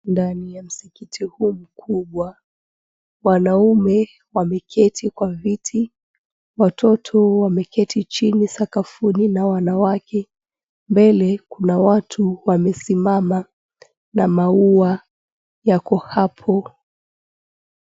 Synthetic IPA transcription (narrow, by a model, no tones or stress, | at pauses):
ndanijam̩sikitʰihuːm̩kʰuɓwa | wanaumɛ | wamɛkʰɛtʰikwavitʰi | watʰɔtʰɔwamɛkɛtʰit͡ʃinisakafuninawanawakʰɛ | mbɛlɛkunawatʰuwamɛsimama | namaua | jakɔhapʰɔ